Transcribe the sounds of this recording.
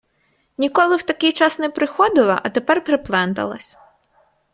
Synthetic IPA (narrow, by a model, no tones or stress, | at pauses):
nʲikɔlˠɪwt̪ɐkɪjt͡ʃɑsnɛpɾɪxɔd̪ɪlˠɐ̰ʔɐt̪epɛrpɾɪplˠɛnt̪ɐ̰lˠɐ̰sʲ